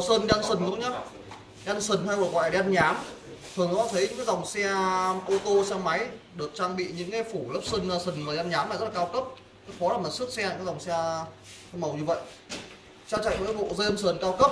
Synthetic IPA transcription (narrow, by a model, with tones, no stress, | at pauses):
səː˧nɗaː˧nsɨ˨˩ŋ̟lə˨˦ŋ͡mɲa˨˧˦ | ɗa˧nsɨ˨˩ŋ̟haː˧jkɔ˨˩kwaː˧˩jɗi˧a˧nɲaː˨˦mt̪ʰɨ˨˩əŋnɔ˨˦a˧˩t̪ʰə˨˦jɲɨ̰˧˥kːjza˨˩wŋ͡msɛ˧ʔo˧t̪o˧sɛ˧ma˨˦jɗɨ˨˩ək̚t͡ɕaː˧ŋɓḭ˧˨ɲɨ̰˧˥ŋkaː˨˦jfu˧˩lə˦˥p̚sə˧na˧sɨ˨˩ŋməː˨˩˧a˧nɲaː˨˦maː˨˩z̚la˨kːwkə˦˥p̚ | kə˨˦xɔ˨˦laː˨˩m˨˩t̚sɨ˦˥t̚sɛ̰˧˨aː˦za˨˩wŋ͡msɛ˧ | mə˨˩wɲɨ˧və̰˧˨jʔ | t͡ɕa˧wt͡ɕa̰˧˨ŋmə̰ː˧˥˦jɓo̰˧˨zə˧nsəː˨˩nkaː˧wkə˦˥p̚